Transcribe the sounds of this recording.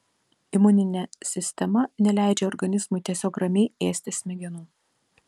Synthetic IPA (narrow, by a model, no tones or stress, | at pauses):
ɪmʊnʲɪnʲɛsʲɪsʲt̪ʲɛmɐnʲɛlʲæˑɪd͡ʒʲɛɔɾɡɐnʲɪzmʊɪt̪ʲiɛsʲoːkɾɐmʲeːeːsʲt̪ʲɪsʲmʲɛɡʲɛnuː